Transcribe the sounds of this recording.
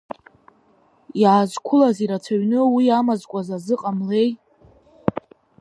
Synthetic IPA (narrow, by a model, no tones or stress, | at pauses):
jaːzkʷʰʊlaziɾat͡sʰaɥnɨwiamazkʷʼazazɨqʼamle̞j